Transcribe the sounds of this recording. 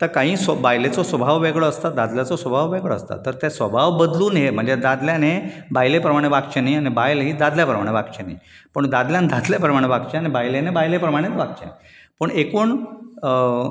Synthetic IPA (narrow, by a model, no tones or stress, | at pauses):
t̪əɾkaɦĩːsəbajlet͡sɔsʋəbʱaʋʋeɡɭəːst̪ad̪ad̪ljat͡sɔsʋəbʱaʋʋeɡɭəə̰st̪a̰t̪əɾt̪ɛsʋəbʱaʋbəd̪luːnɦem̤əɳd͡zed̪ad̪ljane | bajlepɾəmaɽ̃eʋaɡt͡ɕenaiañibajlɦiːd̪ad̪ljapɾəmaɽ̃ebaɡt͡ɕena̰i | pəɳd̪ad̪ljãnd̪ʱad̪ljapɾəmaɽeʋaɡt͡ɕeañibajlenebajlepɾəmaɽ̃et͡s̪ʋaɡ̚t͡ɕḛ | pəɳekuːɳ